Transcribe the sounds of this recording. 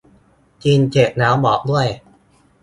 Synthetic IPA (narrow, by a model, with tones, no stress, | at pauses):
t͡ɕiː˧nt͡ɕeː˨˩t̪̚naː˦˥wbɔː˨˩k̚du˥˩əj